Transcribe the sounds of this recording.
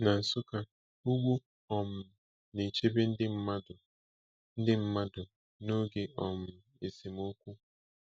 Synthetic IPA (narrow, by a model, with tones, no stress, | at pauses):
na˨n̩˨sʊ˦ka˦ | u˦ɡ͡bʷu˦ | ɔ˨m̩˨ | ne˨t͡ʃe˦be˦n̩˦dɪ˦m̩˦ma˦d | n̩˦dɪ˦m̩˦ma˦dʊ˨ | no˦ɡe˨ʔɔ˨m̩˨ | e˨si˨mo˦kʷu˦